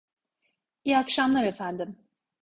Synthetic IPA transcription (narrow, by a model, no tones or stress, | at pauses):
ijakʃamlˠaɾe̞fænd̪im